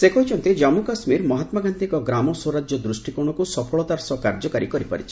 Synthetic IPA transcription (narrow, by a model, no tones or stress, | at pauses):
sekɔɦit͡ʃʰɔnt̪id͡ʒamukasmiɾmɔɦat̪maɡant̪iŋkɔɡɾamɔsoɾad͡ʒjɔd̪ɾusʈikuɽ̃ɔkusɔpʰɔɭɔt̪aɾsɔkaɾd͡ʒɔkaɾikɔɾipa̰ɾit͡ʃʰi̥